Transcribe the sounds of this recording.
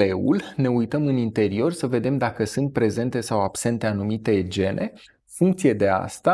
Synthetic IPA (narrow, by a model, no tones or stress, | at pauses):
e̞ṵlne̞ujt̪əmɨnint̪e̞ɾio̞rsəve̞d̪e̞md̪akəsɨnt̪̚pɾe̞ze̞nt̪e̞sawabse̞nt̪e̞anumit̪e̞d͡ʒe̞nʔe̞ | fuŋk̚t̪sie̞d̪e̞a̰st̪a